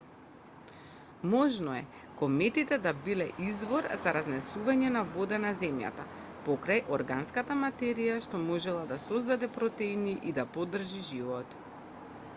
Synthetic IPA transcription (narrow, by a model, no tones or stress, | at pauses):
mɔʒnɔɛ | kɔmɛt̪it̪ɛd̪abilɛ̰ʔizvɔɾzaɾaznɛsuvaɲɛnavɔd̪anazɛmja̰t̪a | pɔkɾajʔɔɾɡanskat̪amat̪ɛɾijaʃt̪ɔmɔʒɛlˠad̪asɔzd̪ad̪ɛpɾɔt̪ɛiniʔid̪apɔd̪r̩ʒiʒivɔt̪